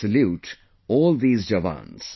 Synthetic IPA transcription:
əljuːʈ | ɔːlðiːzd͡ʒavã̰nz̥

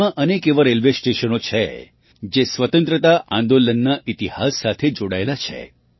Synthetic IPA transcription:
ãʔənekeʋəɾelʋesʈeʃənot͡ʃʰe | d͡ʒesʋət̪ə̃nt̪ɾət̪aʔãnd̪olənːaʔit̪ihasːat̪ʰed͡ʒoɽaelat͡ʃʰḛ

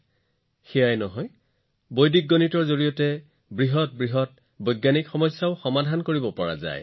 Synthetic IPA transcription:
xɛjajnɔɦɔj | bojdik̚ɡonitɔɹzoɹijɔtɛ | bɹiɦɔt̚bɹiɦɔt̚ | bojɡːanikxɔmɔjsːaʊxɔmadʱankoɹibɔpɔɹa̰za̰j

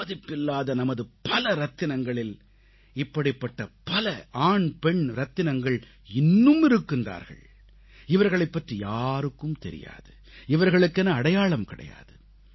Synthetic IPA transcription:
ɐðɪpːɪlːaːðɐnɐmɐðɯpɐlɐɾɐt̪ːɪnɐŋɡɐɭɪl | ɪpːɐɽɪpːɐʈːɐpɐlɐʔaːɳpɛɳɾɐt̪ːɪnɐŋɡɐɭ | ɪnːɯmɪɾɯkːɯnd̪a̰ːɾɣɐ̰ɭ | ɪʋɐɾɣɐɭɐɪpːɐʈrijaːɾɯkːɯmt̪ɛɾɪ̰ja̰ːðɯ | ɪʋɐɾɣɐɭɯkːɛnːɐːɽɐjaːɭɐmkɪɽɐ̰ja̰ːðɯ

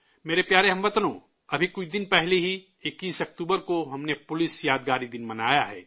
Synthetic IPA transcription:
meːɾepjaːɾeɦɐ̃mʋɐt̪nõ | ɐbʱikʊt͡ʃʰd̪ɪnpɛɦleɦi | ɪkːiːsɐk̚t̪uːbəɾkoɦɐmnepʊlɪsjaːd̪ɡaːɾid̪ɪnmɐnaːjaɦɛ̰ː

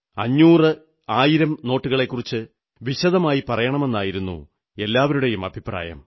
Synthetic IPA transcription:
ɐɲːuːrɨ | aːjiɾɐmno̞ːʈːuɣɐɭe̞kːurit͡ɕːɨ | ʋiɕɐðɐmaːjipɐrɐjɐɳɐme̞nːaːjiɾunːṵ | e̞lːaːʋɐɾuɽejumɐbʱipra̰ːjɐ̰m

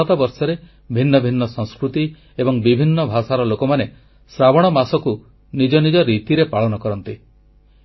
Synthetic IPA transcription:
ɔt̪abɔɾsɔɾe | bʱinːɔbʱinːɔsɔ̃ŋskɾut̪i | ebɔŋbibʱinːɔbʱasaɾɔlokɔmane | sɾabɔɽ̃ɔmasɔku | nid͡ʒɔnid͡ʒɔɾit̪iɾepaɭɔnɔkɔɾɔnt̪i

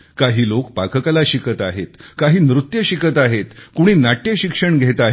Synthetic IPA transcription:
kaɦiːlokpakəkalaɕikət̪aɦet̪kaɦiːnɾut̪jəɕikət̪aɦet̪kuɽ̃iːnaʈjeɕikʂəɳɡʱet̪aɦ

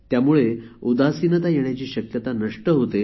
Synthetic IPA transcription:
t̪jamuɭeud̪asinət̪ajeɳ̃jat͡ɕiːɕəkjət̪anəʂʈəɦot̪e

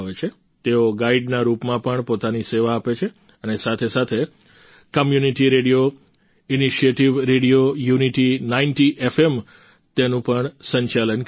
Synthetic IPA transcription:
ʋet͡ʃʰe | t̪eoɡaiɖnaɾupmãpəɳpot̪aniseʋaːpet͡ʃʰe | ənesat̪ʰesat̪ʰe | kəmjuniʈiɾeɽijo | iniʃieʈiʋɾeɽijojuniʈinainʈiʔefem | t̪enũpəɳsəɲt͡ʃalən

